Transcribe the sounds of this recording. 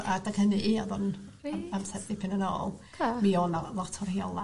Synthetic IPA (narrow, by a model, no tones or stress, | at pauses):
adaɡ̥hənɨʔiɔðɔn | amsɛddɪpʰɪnənɔ̰ːlˠkʰmiɔnalˠɔtʰɔrhiɔlˠa